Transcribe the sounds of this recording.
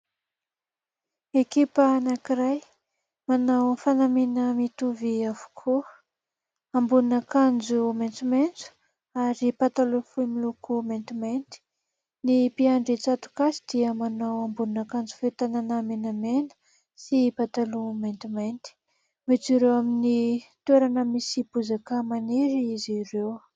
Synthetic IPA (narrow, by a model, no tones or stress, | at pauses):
ekipaːnakiɾaj | manawfanaminəmit̪uviavu̥kʰuə | ambuninakand͡zument͡sument͡su̥ | aɾipat̪alufumilukument̪iment̪i̥ | nipiaɳɖ͡ʐit͡sat̪u̥kasid̪̥iamanawambuninakand͡zu̥fet̪ananamenamenə̥ | sipat̪alument̪iment̪i̥ | mit͡siɾewaminit̪ueɾanəmisipuzakamaneɾiizirew